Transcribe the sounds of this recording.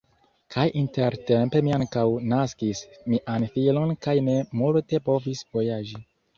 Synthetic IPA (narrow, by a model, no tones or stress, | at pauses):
kʰajʔinteɾte̞mpe̞miaŋkawnaskismiʔanfilo̞nkajne̞multe̞po̞visvo̞jad͡ʒi